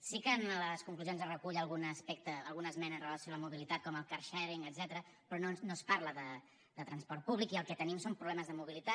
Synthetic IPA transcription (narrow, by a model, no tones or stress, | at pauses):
sikəːnləskuŋkluzionzərəkuʎəlˠɣunəspɛk̚t̪əːlˠɣunəzmɛnəːnrələsijɔaləmuβ̞ilit̪at̪̚kɔməlˠkaɾʃɛɾiŋəd̪zɛt̪əɾə | pɾɔnonospaɾləðə | d̪ət̪ɾənspɔɾt̪̚puβlikiəlˠkɛt̪ənimsompɾuβlɛməzðəmuβ̞ilit̪a